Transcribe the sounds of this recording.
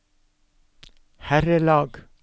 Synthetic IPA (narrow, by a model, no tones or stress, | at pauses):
hæɾəlɑːɡ